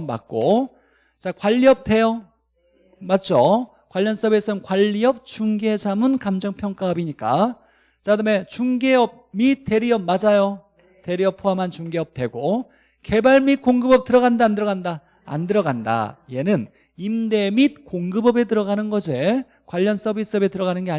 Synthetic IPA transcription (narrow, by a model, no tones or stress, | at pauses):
ma̰k̚k͈o | t͡ɕakwaʎːiʌp̚tʰe̞jo | mat̚t͡ɕ͈o | kwaʎːʌns͈ʌbe̞sʰʌnkwaʎːiʌp̚t͡ɕuŋɡed͡ʑamɯnkamd͡ʑʌŋpʰjʌŋk͈aʌbiɲik͈a | t͡ɕadɯme̞t͡ɕuŋɡeʌb̚mit̚t͈ʰːe̞ɾiʌp̚mad͡ʑajo | te̞ɾiʌp̚pʰoɦamant͡ɕuŋɡe̞ʌp̚t͈we̞ɡo | ke̞baɭmit̚koŋɡɯbʌp̚t͈ɯɾʌɣandaːndɯɾʌɡanda | a̰ndɯɾʌɡanda̰ie̞nɯn | imde̞mit̚koŋɡɯbʌbe̞t̬ɯɾʌɡanɯnɡʌd͡ʑe̞ | kwaʎːʌns͈ʌbis͈ɯʌbe̞tɯɾʌɣanɯnɡe̞a